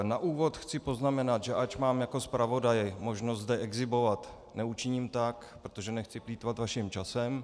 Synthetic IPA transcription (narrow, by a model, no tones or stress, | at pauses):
naʔuːvo̞t̪xt͡sɪpo̞znamɛnat̪ʒɛʔat͡ʃmaːmjako̞spɾavo̞dajɪmo̞ʒnost̪zdɛʔɛɡzɪbo̞vat̪ | nɛut͡ʃɪɲiːmt̪ak | pɾot̪oʒɛnɛxt͡sɪpliːt̪vat̪vaʃɪmt͡ʃasɛm